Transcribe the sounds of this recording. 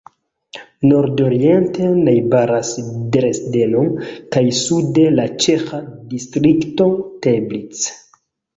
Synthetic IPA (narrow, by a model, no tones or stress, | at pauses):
no̞ɾdoɾie̞nte̞najbaɾasdɾesdenonkajsude̞lat͡ʃexadistɾikto̞teblit͡s